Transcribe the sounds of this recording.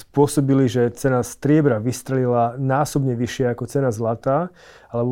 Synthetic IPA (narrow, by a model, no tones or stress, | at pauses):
spʊɔsɔbiliʒɛt͡sɛnast̪ɾɪɛbɾaʋist̪ɾɛlilanaːsɔbɲɛʋiʃɪaakɔt͡sɛnazlat̪aː | alɛbɔ